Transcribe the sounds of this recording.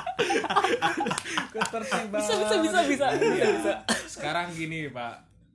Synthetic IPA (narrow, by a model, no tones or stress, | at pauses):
kət̪ərsiŋbaisabisabisabisasiabisasə̥kaɾaŋɡinipa̰ʔ